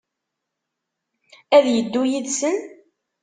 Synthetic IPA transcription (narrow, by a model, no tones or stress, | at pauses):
æðjəd̪ːujiðsən